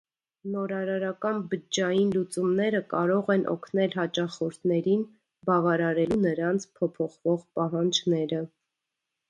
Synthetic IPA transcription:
nɔɾɑɾɑɾɑkɑnbəd͡ʒɑjinlut͡sumnɛɾəkɑɾɔʁɛnʔɔ̰kʰnɛlɦɑt͡ʃɑχɔɾt̪ʰnɛɾin | bɑvɑɾɑɾɛlunəɾɑnt͡sʰpʰɔpʰɔχvɔʁpɑɦɑnd͡ʒnɛɾə

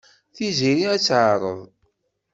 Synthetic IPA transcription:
θiziɾiæt͡sːʕəɾˤə̰ðˤ

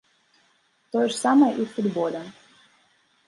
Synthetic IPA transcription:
t̪ojʐəsɑməʔifud̪bolʲə

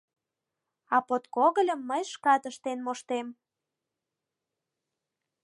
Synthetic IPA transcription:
ɑpot̪koɣəlʲə̆mːəjʃkɑt̪əʃt̪enmoʃt̪em

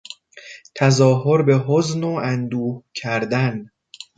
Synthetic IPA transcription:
t̪ʰæzɒːɦo̞ɾbe̞ɦoznoʔænd̪uːhcʰæɾd̪æn

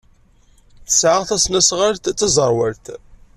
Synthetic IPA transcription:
θəsʕəʁθæsnæsʁaɾt̪t͡sːæzˤəɾˤwəɾt̪

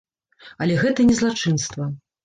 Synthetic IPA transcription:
ɐlʲɛɣɛt̪ɐnʲɛzlˠat͡ʂɨnst̪vɐ

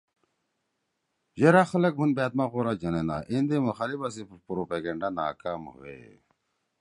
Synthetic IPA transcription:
d͡ʑeɾaxɐlɐk̚bʱunbeːt̪̚maɣoɾad͡ʑɐnena̰ʔind̪emuxaːlibas̬ipɾopeɡeɳɖanaːkaːmhṵḛ

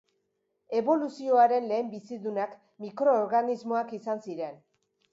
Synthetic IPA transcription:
e̞βo̞lusio̞aɾe̞nle̞ːmbisiðunak | mikɾo̞ːɾɣanizmoakisansiɾe̞n

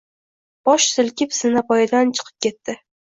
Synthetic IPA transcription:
b̥ɒʃsɪlkʲɪpsɪnapɒjɪd̪ant͡ʃʰɨ̥qʰɨ̥p̚kʲʰe̞t̪ːɪ

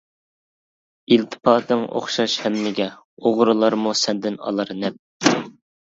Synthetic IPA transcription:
ilt̪ʰɨ̥pʰɑːd̪ɨŋʔo̰χʃɑʃhɛmnɪɡʲɛ | oʁɾulˠɑɾmusɛnd̪ɪnɑ̰lˠɑɾnɛp̚

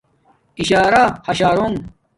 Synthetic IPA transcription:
iɕaːɾahɐɕaːɾoŋ

